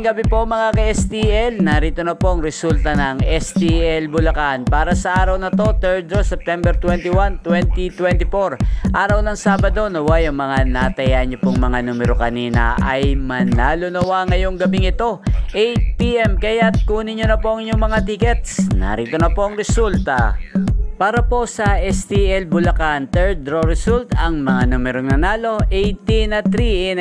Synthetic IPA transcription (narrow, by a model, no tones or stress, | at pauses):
ŋɡɐbipo̞mɐŋakɐʔɛst̪iʔɛlnɐɾiːt̪onɐpo̞ʔɐŋɾɛsult̪ɐnɐŋɛst̪iɛlbʊlɐkanpaːɾɐsɐʔaːɾɐwnɐt̪o̞t̪ɛɹd͡ʒosɛp̚t̪ɛmbɛɾt̪wɛnt̪iwant̪wɛnt̪it̪wɛnt̪ɪfo̞ɾʔaːɾɐwnɐŋsaːbɐd̪o̞nɐwajɐŋmɐŋanat̪ɐjaɲopoŋmɐŋanumɛɾokɐniːnɐ̰ʔɐ̰jmɐnaːlonɐwaŋɐjo̞ŋɡɐbiŋɪt̪o̞ʔɛjt̪̚piʔɛmkɐjat̪̚kuːnɪɲonɐpo̞ɐŋɪɲoŋmɐŋat̪ikɛt̪snɐ̰ɾit̪onɐpo̞ʔɐŋɾɛsult̪ɐ | paːɾɐpo̞sɐʔɛst̪iʔɛlbʊlɐkant̪ɛɹ̚d̪ɾo̞ɾɛsult̪ɐŋmɐŋanumɛɾoŋnɐnaːlo̞ʔɛjt̪inɐt̪ɾi